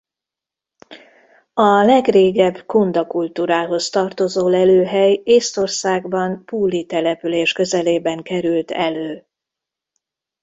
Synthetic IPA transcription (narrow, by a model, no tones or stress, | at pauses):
ɒlɛɡreːɡɛbkond̪ɒkult̪uːɾaːɦo̞st̪ɒrt̪o̞zoːlɛløːɦɛjeːst̪o̞rsaːɡbɒnpuːlːit̪ɛlɛpyleːʃkø̞zɛleːbɛŋkɛɾylt̪ɛløː